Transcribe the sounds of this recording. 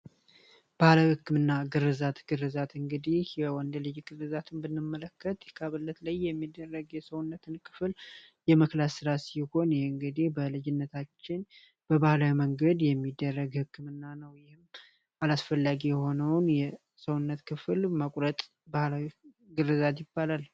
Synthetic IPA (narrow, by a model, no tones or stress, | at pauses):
b̥ahləhɨkːɨmɨnːaɡɨrːɨzat̪ɡ̥ɨrɨzat̪ɨŋɡɨd̪ihjɛwɔnd̪əlɨjɡɨrɨzat̪ʰɨnbɨnːɨmːələkːət̪jɛkʰaβɨlːət̪ləjːɛmːid̪ːərːəɡjɛsəwʊnːət̪ʰɨnkʰɨ̥fɨl | jɛməklasɨɾasiho̞njɛhɨŋɡɨd̪ihbəlɨd͡ʒɪnːət̪ʰat͡ʃːɪn | b̥əbahlawiməŋɡəd̪jɛmːid̪ːərːəɡhɨkːɨmɨnːanəwjɪhɪm | alasfəlːaɡijɛho̞nəwnjɛ | səwʊnːət̪kʰɨflməkʼɾət̪ʼ | bahlawi | ɡɨrːɨzat̪jɪbːalal